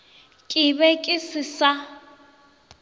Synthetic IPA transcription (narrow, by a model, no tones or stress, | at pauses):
kʼɪbɛkʼɪsɪsa